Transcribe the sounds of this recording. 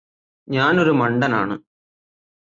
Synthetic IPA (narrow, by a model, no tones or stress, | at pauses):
ɲaːno̞ɾumɐɳɖɐna̰ːɳɨ